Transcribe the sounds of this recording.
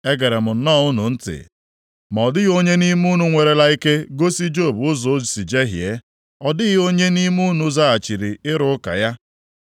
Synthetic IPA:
e˦ɡe˨ɾe˨mʊ˨n̩˦nɔ˦˨ʊ˦nʊ˨n̩˦tɪ̰˨ | m˨ɔ˨dɪ˦ɣo˦ɲe˦ni˦mu˦nu˨ŋʷe˨ɾe˨la˦i˦ke˦ɡo˦si˦d͡ʒo˦˨bʊ˦zɔ˨˦˨si˨d͡ʒe˦ɦje˦ | ɔ˨dɪ˦ɣɪ˦o˦ɲe˦ni˦mu˦nu˦za˦a˨t͡ʃi˨ɾi˨ɪ˦ɾʊ˦ʊ˦ka̰˨ja˦

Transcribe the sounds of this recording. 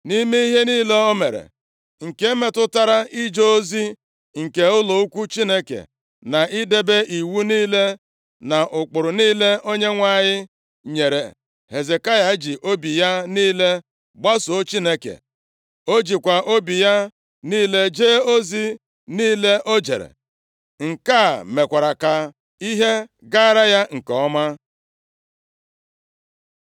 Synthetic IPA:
ni˦mi˦i˦ɦe˦niː˦le˦o˦me˨ɾḛ˨ | ŋ̩˨ke˦me˨tʊ˦ta˦ɾa˦i˦d͡ʒo˦zi˦ | ŋ̩˨ke˨ʊ˦lo˨u˦kʷu˦t͡ʃi˦ne˦kḛ˨ | na˨ʔɪ˦de˦be˦ʔi˨wu˦niː˦le˦ | na˨ʔʊ˨k͡pʊ˨ɾʊ˨niː˦le˦o˦ɲe˦ŋʷa˦˨ɲɪ˦ | ɲe˨ɾḛ˨ | he˨ze˨ka˦ja˨˦d͡ʒi˨ʔo˦bi˨ja˦niː˦le˦ | ɡ͡ba˦so˨o˦t͡ʃi˦ne˦kḛ˨ | o˦d͡ʒi˨kʷa˨ʔo˦bi˨ja˦ | niː˦le˦d͡ʒeː˦o˦zi˦ | niː˦le˦ʔo˦d͡ʒe˨ɾḛ˨ | ŋ̩˨ka˦˨me˨kʷa˨ɾa˨ka˨ | i˦ɦe˦ | ɡa˦ɾa˦ja˦ŋ̩˨kɔɔ˦ma˦

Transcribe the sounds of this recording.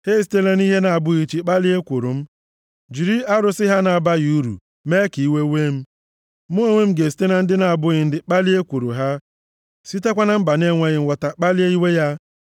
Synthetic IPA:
he˦˨si˨te˦la˦ni˦ɦe˦na˨a˨bʊ˦ɣi˨t͡ʃi˨k͡pa˦li˦e˦kʷu˨ɾṵ˨m̩˦ | d͡ʒi˨ɾi˦a˦ɾʊ˨sɪ˦ɦa˦na˨a˨ba˦ɣu˦ɾṵ˨ | me˦ki˨i˦we˦we˦m̩˦ | mo˦o˦˨ŋʷe˦m̩˦ɡe˨si̥˨˦te˦na˨n̩˦dɪ˦na˨a˨bʊ˦ɣɪ˨n̩˦dɪ˨k͡pa˦li˦e˦kʷu˨ɾṵ˨ɦa˦ | si˦te˦kʷa˦na˦m̩˦ba˨ne˦ŋʷe˦ɣɪ˨˦wa˨ta˨k͡pa˦li˦e˦i˦we˦ja˦

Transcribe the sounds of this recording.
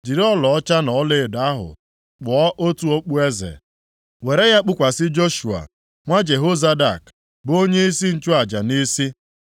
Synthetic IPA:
d͡ʒi˨ɾɔ˦lɔ˨ɔ˦t͡ʃa˦nɔ˨˦le˦˨da˦ɦʊ̰˨ | k͡pʊ˨ɔ˦ʔo˦tu˦o˦k͡pu˦e˦zḛ˨ | we˨ɾe˦ja˦k͡pʊ˦kʷa˨sɪ˦d͡ʒo˦ʃu˨a̰˨ | ŋʷa˦d͡ʒe˨ɦo˦za˦da˨k | bʊ˦o˦ɲe˦i˦si˦n̩˦t͡ʃʊ˦a˨d͡ʒa˨ni˦si˦

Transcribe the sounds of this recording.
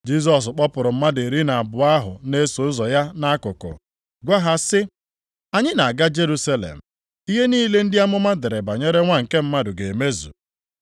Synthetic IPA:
d͡ʒi˦sɔ˨s̬k͡pɔ˦pʊ˨ɾʊ˨m̩˦ma˦de˨ɾi˦na˨bʊ˨a˦ɦʊ̰˨ne˦so˨˦zɔ˨ja˦na˦kʊ˨kʊ̰˨ | ɡʷa˦ɦa˦sɪ˦ | a˨ɲɪ˦na˨a˨ɡa˦d͡ʒe˦ɾu˦sa˦lḛ˨m̩˨ | i˦ɦe˦niː˦le˦n̩˦dɪ˦a˦mʊ˦ma˦dɪ˨ɾe˨ba˨ɲe˦ɾe˦ŋʷa˦ŋ̩˨ke˦m̩˦ma˦dʊ˨ɡe˨e˨me˦zṵ˨

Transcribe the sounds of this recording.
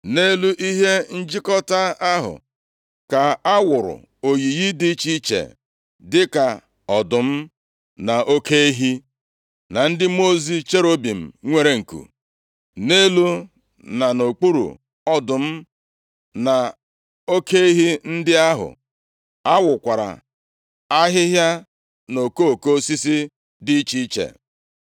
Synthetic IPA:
ne˦lu˦ʔi˦ɦe˦n̩˦d͡ʒi˦kɔ˦ta˦a˦ɦʊ̰˨ | ka˨a˦wʊ˨ɾʊ̰˨ | o˨ji˨ji˦di˦t͡ʃi˦t͡ʃḛ˨ | dɪ˦ka˨ | ɔ˨dʊ˨m̩˦ | na˨ʔo˦ke˦i˦ɦi˦ | na˨n̩˦dɪ˦mo˦zi˦t͡ʃe˦ɾo˦bi˨m̩˨ŋʷe˨ɾe˨ŋ̩˨kṵ˨ | ne˦lu˦ | na˨no˨k͡pu˦ɾṵ˨ | ɔ˦dʊ˨m̩˦ | na˨ | o˦ke˦e˦ɦi˦n̩˦dɪ˦a˦ɦʊ̰˨ | a˦wʊ˨kʷa˨ɾa̰˨ | a˦ɦɪ˦ɦja˦ | no˨ko˦˨ko˦si˦si˦ | dɪ˦t͡ʃi˦t͡ʃḛ˨

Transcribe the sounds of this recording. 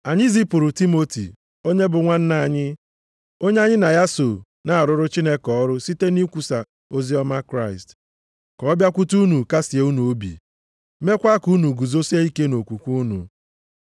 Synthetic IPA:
a˨ɲɪ˦zi˦pʊ˨ɾʊ˨ti˦mo˦tḭ˨ | o˦ɲe˦bʊ˨ŋʷa˦n̩˦na˨a˨ɲɪ˦ | o˦ɲe˦a˦ɲɪ˦na˨ja˦so˨ | na˨a˨ɾʊ˦ɾʊ˦t͡ʃi˦ne˦kɔ˦ɾʊ˦si˦te˦ni˦kʷu˨sa˨ | o˦zi˦ɔ˦ma˦kɾa˦ɪ˨st | kɔ˨ɔ˦bja˦kʷu˦tu˦nu˨ka˦si˨e˨˦u˦nu˨o˦bḭ˨˦ | me˦kʷa˦ku˦nu˨ɡu˨zo˦si˦e˦i˦ke˦no˨kʷu˨kʷu˦nṵ˨

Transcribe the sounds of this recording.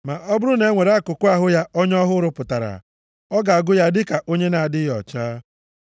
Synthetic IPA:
ma˨ʔɔ˦bʊ˦ɾʊ˦ne˨˦ŋʷe˨ɾa˦˨kʊ˨kʊ˦a˨ɦʊ˦ja˦ɔ˦ɲɔ˦ɦʊ˦ɾʊ˦pʊ˨ta˨ɾa̰˨ | ɔ˦ɡa˨a˨ɡʊ˦ja˦dɪ˦ka˨ʔo˦ɲe˦na˨a˨dɪ˦jɔ̰˨t͡ʃaː˦

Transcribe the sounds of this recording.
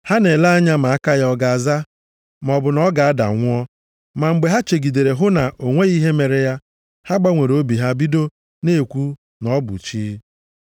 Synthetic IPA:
ha˦ne˨la˦a˦ɲa˦ma˨a˦ka˦jɔ˦ɡa˨a˨za˦ | m˨ɔ˨bʊ˨nɔ˦ɡa˨a˦da̰˨ŋʷʊ˦ɔ˦ | ma˨ŋ͡m̩˨ɡ͡be˨ɦa˦t͡ʃe˨ɡi˨de˨ɾe˨ɦʊ˦na˨ʔo˨ŋʷe˦i˦ɦe˦me˨ɾe˨ja˦ | ha˦ɡ͡ba˦ŋʷe˨ɾo˦bi˨ɦa˦bi˦do˦ | ne˦˨kʷu˦ | nɔ˦bʊ̰˨t͡ʃi˦

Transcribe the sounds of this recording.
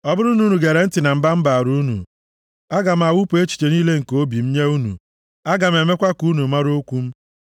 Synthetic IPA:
ɔ˦bʊ˦ɾʊ˦nu˨˦nu˨ɡe˨ɾe˨n̩˦tɪ˨na˨m̩˦ba˦m̩˦ba˨ɾu˦nṵ˨ | a˦ɡa˨m̩˨a˨wu˦pu˨e˦t͡ʃi̥˨t͡ʃe˨niː˦le˦ŋ̩˨ko˦bi˨m̩˦ɲe˦u˦nṵ˨ | a˦ɡa˨m̩˨e˨me˦kʷa˦ku˦nu˨ma˦ɾo˦kʷu˦m̩˦

